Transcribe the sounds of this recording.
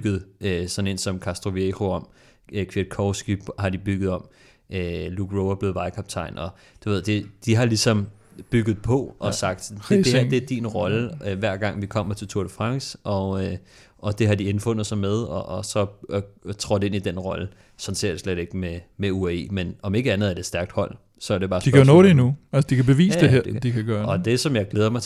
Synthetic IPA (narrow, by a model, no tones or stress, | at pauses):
ɡ̥ð̩ˠøsɒ̽ne̝nsɒ̽mkʰæsd̥ʁo̝ʋieʁo̝ɒ̽m̰ | kʰʋed̥̚kʰɒʊsɡ̥ihɑ̈d̥ib̥yɡ̥ð̞̩ˠɒ̽m̰ | ʔøluɡ̥ʰʁoʊɐb̥le̝ːð̩ˠʋɑ̈ɪkʰɒb̥t͡sʰɑ̈ɪnɒ̽ | d̥uʋe̝ð̰ˠd̥e̝d̥iɦɑ̈lisɒ̽m | b̥yɡ̥ð̞̩ˠpʰɒ̽ʔɒ̽sɑ̈ɡ̥d̥d̥e̥ed̥inʁɒ̽ləøʋæɐ̰ɡ̥ɑ̈ŋ̰ʋikʰɒ̽m̰ɐt͡sʰe̝lt͡sʰuɐɾ̥əfʁɑ̈ŋ̰sɒ̽ø | ɒ̽d̥e̝ɦɑ̈d̥ienfɔ̽n̰ð̩ˠsɒ̽með̞ˠɒʔːsɒ̽ | t͡sʰʁɒd̥e̝nid̥enʁɒ̽lə | sɒ̽nseɐ̰̥sleɾ̥e̝ɡ̥əmemeueḛːmenɒ̽me̝ɡ̥əænð̩ˠæɐd̥edsd̥æɐɡ̥d̥hɒ̽l̰ | sɒæɐd̥e̝bɑ̈ːsd̥ikʰæjonɔːɾeinuælsəd̥ikʰæb̥e̝ʋḭːsd̥eɦeɐ̰d̥ikʰæɡ̥ɶːɐɒ̽d̥e̝sɒ̽mjɑ̈ɪɡ̥leːð̞ˠɐmɑ̈ɪ